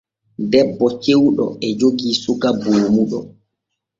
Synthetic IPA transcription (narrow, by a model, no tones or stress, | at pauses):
dɛbːɔt͡ʃewɗɔ̰ɛd͡ʒoɡiːsuɡaboːmuɗɔ